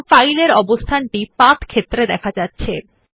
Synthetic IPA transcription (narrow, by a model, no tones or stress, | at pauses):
fajleɾɔbost̪ʰanʈipat̪ʰkʰet̪ːɾed̪ɛkʰad͡ʑatːɕʰe